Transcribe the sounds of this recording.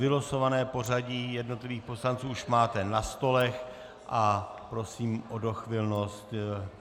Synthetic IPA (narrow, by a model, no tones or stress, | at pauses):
vɪloso̞vanɛːpo̞r̝aɟijɛdno̞t̪lɪviːxpo̞slant͡suːuʃmaːt̪ɛnast̪o̞lɛx | ʔapɾo̞siːmʔo̞do̞xvɪlno̞st̪